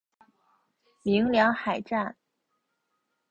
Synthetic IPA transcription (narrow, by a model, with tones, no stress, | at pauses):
mi˧˥ŋljɑ˧˥ŋxa˨˩ɪʈ͡ʂa˥˩n